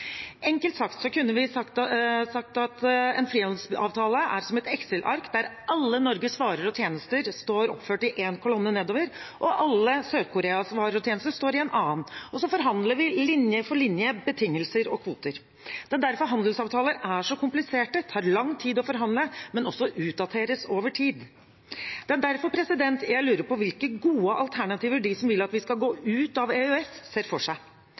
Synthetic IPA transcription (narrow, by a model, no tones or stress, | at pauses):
ɛŋkəlt̪sɑkt̪sɔkʉnːəʋɪɑkt̪sɑk̚t̪ɑt̪ɛ̰nfɾiːɑnd̪sɑ̰ːʋt̪ʰɑːləʔæ̰ɾsɔmɛt̪ɛksəlʔɑ̰ɾkd̪æɾʔɑlːənɔɾɡəsʋɑːɾəɾɔt̪ʰjeːnəst̪əɾst̪oːɾɔpføːʈɪʔeːnkʰʊlɔnːəneːd̪oːʋəɾʔɔʔɑlːəsøːd̪kʰʊɾeːɑsʋɑːɾəɾɔt̪ʰjeːnəst̪əʂt̪oːɾɪɛːnʔɑːnɔsɔfɔɾɦɑnd̪ləɾʋɪlɪnjəfɔɭɪnjəbət̪ʰɪŋːəlsəɾɔkʰʋuːt̪əɾ | d̪̥ɛd̪æɾfɔɾɦɑnd̪əl̩sɑːʋt̪ʰɑːləɾæʂɔkʰʊmplɪseːʈət̪ʰɑːɾɭɑŋːt̪ʰiːd̪ɔfɔɾɦɑnd̪ləmɛnɔsːɔʔʉːt̪̚d̪ɑt̪ʰeːɾəsoːʋəʈʰiːd̪ | d̪̥ɛæd̪æɾfɔpʰɾɛsɪd̪ɛnt̪jæɪlʉːɾəɾpɔʋɪlkəɡuːəʔɑlt̪ʰæɳɑt̪ʰiːʋəɖɪsɔmʋɪlːɑt̪ʋɪskɑlɡoːʔʉːt̪ɑʋeʉɛsseːɾfɔʂæɪ